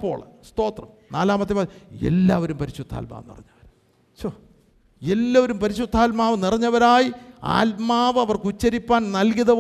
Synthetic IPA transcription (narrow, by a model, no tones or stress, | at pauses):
pːo̞̰ːɭst̪o̞ːt̪rɐmnaːlaːmɐt̪̬ːipaːḛlːaːʋɐɾumpɐɾiɕud̪ʰʱːa̰ːlma̰ːʋnḭrɐɲːɐʋɐɾ | t͡ɕo | elːaɐʋɐɾumpɐɾiɕud̪ʱːaːlmaːʋɨnirɐɲːɐʋɐɾaːjia̰ːlmaːʋɨɐʋɐrkut͡ɕːɐɾipːaːnnɐlkiðɐ